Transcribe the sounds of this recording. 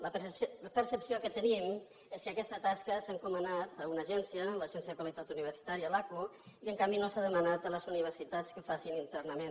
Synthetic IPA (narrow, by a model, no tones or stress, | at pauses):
ləpəɾsəpsiokət̪ənim | eskəkɛst̪ət̪askəsaŋkumənat̪əunəʒɛnsiələʒɛnsjəðkwalit̪at̪uniβərsi̥t̪aɾiəlaku | iəŋkambinosaðəmənat̪ələzuniβ̞ərsit̪at͡skəfasinint̪ɛrnəmen